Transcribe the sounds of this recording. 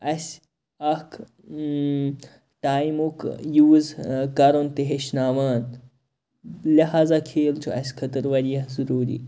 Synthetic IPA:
ɐsʲ | ɐk | ʈaːjmukjuːzkɐɾont̪eɦeʃnaːʋaːn | lɐɦaːzakʰeːlt͡ʃʰuɐsʲkʰɐt̪əɾʋɐɾijɐhzuɾuːɾḭː

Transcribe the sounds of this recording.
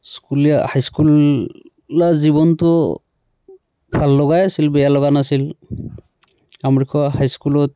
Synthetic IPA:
skulijahajskulː | azibɔntʊ | bʱalːɔɡajasilbɛjalɔɡanasil | amɹikʰɔɦajskulɔt̚

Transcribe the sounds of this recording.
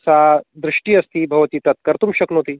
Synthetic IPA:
sad̪ɾɪʂʈiːɐst̪iːbʱɐʋt̪iːt̪ɐt̪̚kɐɾt̪umɕɐknot̪iː

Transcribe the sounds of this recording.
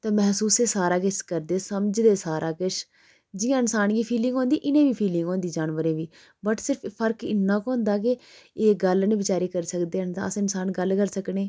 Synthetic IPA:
t̪ẽːmɛɦsuːseːsaːɾaːkɪt͡ʃkəɾd̪eːsəmd͡ʒd̪eːsaːɾʔaːkɪʃ | d͡ʒɪjãːɪnsaːnɡiːpʰiːlɪ̃ŋɡɦõːnd̪iːʔɪnẽːʋiːpʰiːlɪ̃ŋɡoːnd̪iːd͡ʒaːnʋəɾẽːʋiː | bəʈsɪɾpʰpʰəɾkɪnːãːkoːʊ̃nd̪aːk̬ɪeːɡəlnẽːbɪt͡ʃaːɾiːkəɾsəkd̪eːɦənd̪a̰ːəsɪnsaːnɡəlkəɾsəkneː

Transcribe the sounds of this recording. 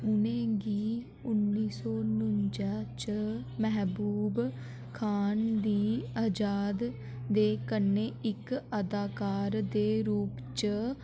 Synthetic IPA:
ʊnẽːɡiː | ʊnːiːsɔːnʊɲd͡ʒat͡ʃəmɛɦbuːb | kʰaːnd̪iːaːd͡ʒaːd̪ː | eːkənːeːɪkəd̪aːkaːɾd̪eːɾuːpt͡ʃə

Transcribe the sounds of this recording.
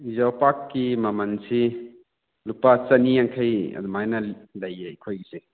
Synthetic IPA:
zawpakːimɐmɐnsi | lupat͡ʃɐniaŋkʰɐjɐ̰d̪umajnɐlɐjeikʰojɡise

